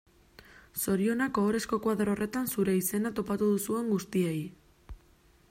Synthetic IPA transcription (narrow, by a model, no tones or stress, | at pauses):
so̞ɾio̞nakooɾe̞sko̞kwaðɾo̞re̞t̪ansuɾe̞ise̞nat̪o̞pat̪uð̞usue̞ŋɡust̪iej